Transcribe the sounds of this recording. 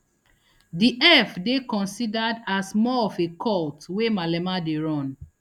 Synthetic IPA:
diʔɛfdekɔ̃nsidadasmɔɔfekʰɔltwemalɛmadeɹɔ̃n

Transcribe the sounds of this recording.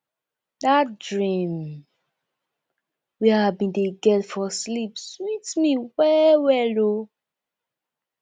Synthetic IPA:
datdɹĩm | wiabĩndeɡɛtfɔslipswitmiwɛwɛlo

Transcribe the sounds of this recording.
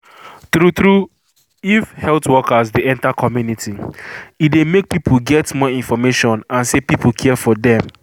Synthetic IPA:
tɾutɹu | ifhɛltwɔkazdeɛ̃ntakʰɔmjunitʰiidemek̚pipʰuɡɛtmɔĩnfɔmeʃɔ̃nãnsepipukʰɛɛfɔdɛ̃m

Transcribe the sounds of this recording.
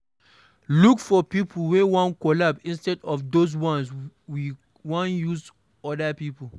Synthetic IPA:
lukfɔpipʰl̩wewɔ̃nkɔlabsĩnstɛdɔfdos̬wɔ̃nswi | wɔ̃njuz | ɔdapipə

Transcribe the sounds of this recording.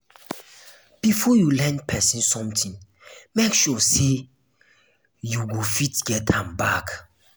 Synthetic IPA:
b̥ifɔjulɛ̃npʰɛsĩnsɔ̃mtʰĩŋ | mekʃɔse | juɡofitɡɛtʰãmbak

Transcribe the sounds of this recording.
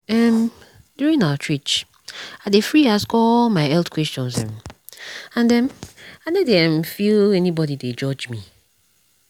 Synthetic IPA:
ɛm | djuɹĩnaət͡ʃʰɹ̥it͡ʃ | aɪdefɹiaskɔlmaɪɛltkʰwɛst͡ʃɔ̃nsɛ̰̃m | ãndɛ̃naɪnɛdɛ̃mfilɛnibɔdided͡ʒɔd͡ʒmi

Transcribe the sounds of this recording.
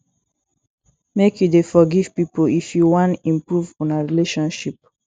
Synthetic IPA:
mekʰjudefɔɡiv̥pipoifjuwɔ̃ntĩmpɹuvɔ̃naɹileʃɔ̃nʃip̚

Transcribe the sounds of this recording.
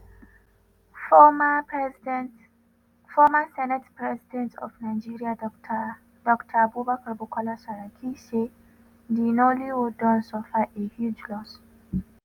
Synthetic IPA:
fɔmasɛnɛtpʰɹɛzidɛ̃ntɔ̰vnaɪd͡ʒiɹia | dɔktʰəbubakəbukʰɔlasaɹakʰise | dinoliwudɔ̃nsɔfaʔehjud͡ʒlɔs

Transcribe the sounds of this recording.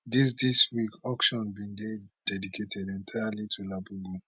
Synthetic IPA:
dis̬diswikɔkʃɔ̃nbĩnded̥ɛdikʰetʰɛdɛ̃ntʰaalitʰulabubu

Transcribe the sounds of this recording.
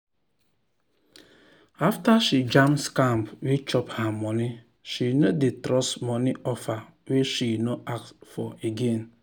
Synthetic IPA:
aftaʃid͡ʒamskambwet͡ʃɔphamɔni | ʃinodetɾɔsmɔniʔɔfa | weʃinoakfɔeɡen

